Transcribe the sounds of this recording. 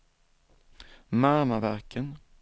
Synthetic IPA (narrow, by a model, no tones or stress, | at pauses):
mæɾmavæɾkʰən